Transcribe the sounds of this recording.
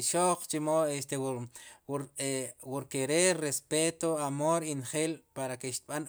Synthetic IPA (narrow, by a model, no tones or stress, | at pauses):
ʃoq͡χt͡ʃimoest̪ew | ɾwuɾkeɾerespet̪oamoɾinχelpaɾakeʃt̪̚ɓan